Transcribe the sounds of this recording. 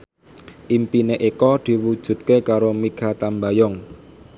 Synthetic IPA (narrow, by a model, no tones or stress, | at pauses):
ʔimpineʔikɔd̪̥i̤wud̥ʒ̥ṳt̪̚kekaɾomiɡ̥at̪ambajɔŋ